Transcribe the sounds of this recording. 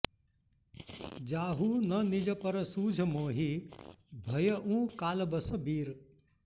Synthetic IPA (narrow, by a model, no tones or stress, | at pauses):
d͡ʒaːɦunɐnid͡ʒɐpɐɾɐsuːd͡ʒʱəmoːɦi | bʱɐjɐʔũːkaːlbəsɐbiːɾ